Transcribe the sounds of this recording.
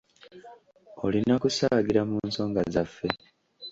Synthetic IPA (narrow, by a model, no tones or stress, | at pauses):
olinakusaːɡiɾamunso̞ːŋɡazafːe̞